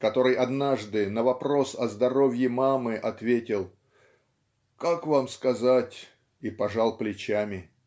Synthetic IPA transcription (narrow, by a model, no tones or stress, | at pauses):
kɐt̪o̞ɾɨjɐd̪naʐd̪ɨnəvɐpɾo̞sɐzd̪ɐɾo̞vʲjɪmamɨʔɐt̪vʲetʲɪlˠ | kakvamskɐzatʲ | ipɐʐalˠplʲɪt͡ɕæmʲɪ